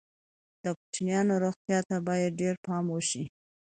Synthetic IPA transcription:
d̪̥əkʊt͡ʃinjɑnoɾoxt̪jɑt̪abɑjad̪̚ɖeɾpɑmwəʃi

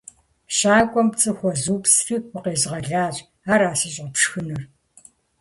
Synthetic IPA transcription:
ʃaːkʷʼɔmt͡sʼɨxʷɔzuːpsriːwʷʊqeːzʁɐɮaːɕʼ | aːɾaːsɨɕʼɐpʂxɨnɨr

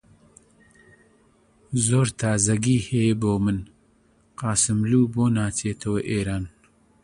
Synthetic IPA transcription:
zoːɾt̪ʰaːzɐɡiheːboːmən | qaːsɪmluːboːnaːt͡seːt̪ʰɐweʔeːɾaːn

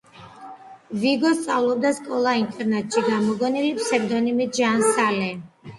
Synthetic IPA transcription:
viɡɔst̪sʼavlˠɔb̚d̪askʼɔlˠaint̪ʼɛɾnat̪ʼʃiɡamɔɡɔnilipʰsɛɾd̪ɔnimiʒansalɛ

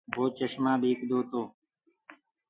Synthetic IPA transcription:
bʱoːt͡ʃəʃmãːbiːkd̪oːt̪oː

